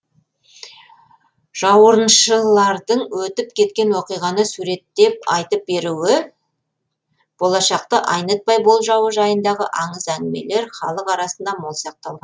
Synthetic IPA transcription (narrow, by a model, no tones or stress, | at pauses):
ʒ̥ɑwəɾənʃəlˠɑɾd̪əɴwɵt̪ɪpkʲʰe̞t̪kʲe̞nwoqijʁɑnəsuɾe̞t̪ːe̞p̚ɑjt̪əp̚be̞ɾuwɪ | b̥o̞lˠɑʃɑq̚t̪əʔɑjnət̪̚pɑjbo̞lˠʒɑwəʒɑjənd̪ɑʁəʔɑɴəzænɡɪme̞̰le̞ɾχɑlˠəqɑɾɑsənd̪ɑmo̞lˠsɑq̚t̪ɑlˠʁɑnn